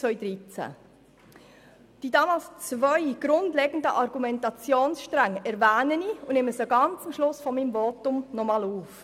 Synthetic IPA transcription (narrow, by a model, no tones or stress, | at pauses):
t͡sʋœjdɾit͡sæ̰ | d̥idɑːmɑːlst͡svœʏɡ̥ɾʊndlɛɡ̥ən̩dəʔɑɾɡ̥umɛntɑt͡sjoːnsʃtɾaŋɛɾvæːnəniʊnɪməsəɡɑnt͡sumʃlʊsfɔmimvɔtʊmnɔmɑluːf